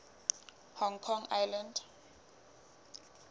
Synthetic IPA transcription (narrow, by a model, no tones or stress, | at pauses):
hɔŋkʰɔŋajland